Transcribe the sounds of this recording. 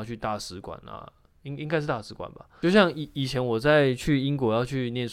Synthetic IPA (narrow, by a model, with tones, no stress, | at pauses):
ʊt͡ɕʰy˥˧t̪a˥˩sɹ̩˧˥kwa̰˨˩nɐ̰˨ | i˦˥ŋi˥ŋka˥ɪʂ̩˥˧˩t̪a˥˩ʂɹ̩˧˥kwa̰˨˩nbɐ̰˩t͡ɕjo˥˧ʊɕjɑ˥˩ŋi˨˩i˨˩t͡ɕʰjɛ˧˥nwɔ˨˩t͡sa˥˩ɪt͡ɕʰy˥˩i˥ŋkwɔ˨˥jɑ˥˧ʊt͡ɕʰy˥˧njɛ˥˨nʂ